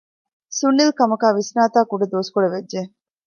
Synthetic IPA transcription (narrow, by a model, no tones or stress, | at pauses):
sunːilkɐmɐkaːʋisnaːt̪aːkuɖed̪oːsu̥kuɽeʋedːe